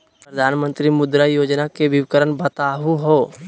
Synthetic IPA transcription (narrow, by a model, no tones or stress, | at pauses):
pɾəd̪ʱaːnmə̃nt̪ɾimʊd̪ɾajoːd͡ʒnakebʱiʋɪkəɾənbət̪aːɦuɦoː